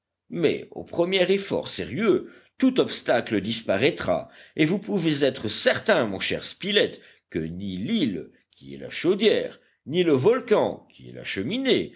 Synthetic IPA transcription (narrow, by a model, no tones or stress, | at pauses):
mɛ̰o̰pχəmjɛʁefɔ̰ʁseʁjø | t̪ut̪ɔpst̪akləd̪ispaʁɛt̪χa̰evupuvezɛt̪χəsɛʁt̪ɛ̃mɔ̃ʃɛ̰ʁspilɛt̪ | kənilil | kʲiɛ̰la̰ʃod̪jɛʁ | niləvɔlkɑ̃kʲʰiɛ̰la̰ʃəmine